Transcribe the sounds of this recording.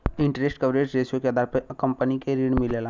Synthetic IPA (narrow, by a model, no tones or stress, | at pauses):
ɪ̃ɳʈɾesʈkəʋɾed͡ʒɾeːsijokeɐd̪aːɾpɐkɐ̃mpənikeɾiːɽ̃mɪlela